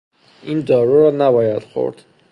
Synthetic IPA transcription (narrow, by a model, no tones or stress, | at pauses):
ʔind̪ɒːɾuɾɒːnæbɒːjæd̪̥xo̰ɾd̪̥